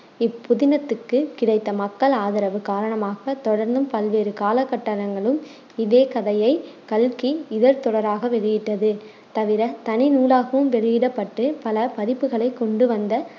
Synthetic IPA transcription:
ɪpːʊðɪnɐt̪ːɯkːɯkɪɽɐɪt̪ːɐmɐkːɐɭaːðɪɾɐʋɯkaːɾɐɳɐmaːɣɐt̪ɔɽɐɾnd̪ɯmpɐlʋeːɾɯkaːlɐkːɐʈːɐɾɐŋɡɐɭɯm | ɪðeːkɐðɐjɐɪkɐlkiɪðɐɾt̪ɔɽɐɾaːɣɐʋɛɻɯjɪʈːɐðɯ | t̪ɐʋɪɾɐt̪ɐnɪnuːlaːɣɐʋɯmʋɛɻɯjɪɽɐpːɐʈːɯpɐlɐpɐðɪpːɯɣɐɭɐɪkːɔɳɖɯʋɐnd̪ɐ

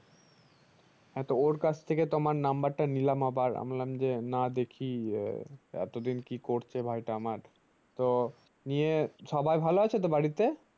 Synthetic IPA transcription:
ɦɛ̃t̪ooɾkat͡ɕʰt̪ʰeket̪omaɾnambaɾʈanilamabaɾa̰mlamd͡ʑenad̪ekʰi | ɛ̰t̪od̪inkikoɾt͡ɕʰebʱajʈaamaɾ | t̪o | nieʃɔbajbʱaloat͡ɕʰet̪̬obaɽit̪e

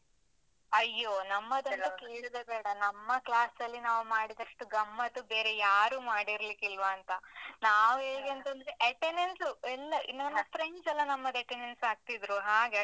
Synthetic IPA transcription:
ɐjːonɐmːɐd̪ɐnt̪ɐkeːɭid̪ebɛːɽɐnɐmːɐklaːsɐlːinaːʋumaːɽid̪ɐʂʈuɡɐmːɐt̪ːubeːɾe̞jaːɾumaːɽiɾlikilʋɐːnt̪ɐnaːʋueːɡeɐnt̪ɐnd̪ɾeʔɐʈenensuɛlːɐʔḭnːɐnːɐpɾeɲsɛlːɐnɐmːɐd̪ɐʈenensaːɡ̚t̪id̪ɾuɦaːɡe

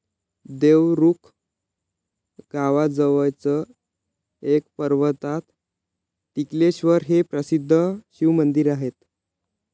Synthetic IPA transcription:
d̪eʋɾukʰ | ɡaʋad͡zəʋəjt͡sə | ek̚pəɾʋət̪at̪ː | ikleɕʋəɾɦepɾəsid̪ʱːəɕiʋmənd̪iɾaɦet̪̚

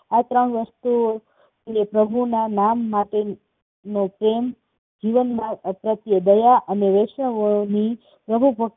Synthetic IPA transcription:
at̪ɾəɳ̃ʋəst̪u | epɾəbʱunanamːaʈe | nopɾem | d͡ʒiʋənmãpɾət̪jəd̪əjaʔəneʋeʃəʋoni | pɾəbʱubʱək̚

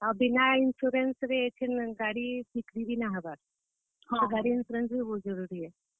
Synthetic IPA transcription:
abinainsuɾensɾeet͡ʃʰinɡaɽibikɾibinaɦabaɾ | ɡaɽiinsuɾensbibozəɾuɾie

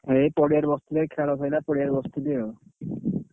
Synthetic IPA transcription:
ɦepɔɽijaɾbɔst̪ulekʰɛlɔt̪ʰajnapɔɽijaɾbɔst̪ud̪e

